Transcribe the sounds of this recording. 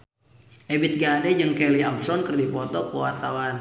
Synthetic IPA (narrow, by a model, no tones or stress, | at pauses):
ʔebɪt̪̚ɡadɛd͡ʒɨŋkɛliab̚sɔnkərdipɔt̪ɔkəwart̪awan